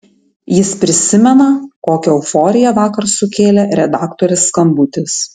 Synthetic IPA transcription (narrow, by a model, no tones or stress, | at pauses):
jɪspʲɾʲɪsʲɪmʲɛnɐkoːkʲɛʊfɔːɾʲɪjɛʋɑːkɐɾsʊkʲeːlʲɛɾʲɛd̪ɑːkt̪ɔɾʲɪsːkɐmbʊt̪ʲɪs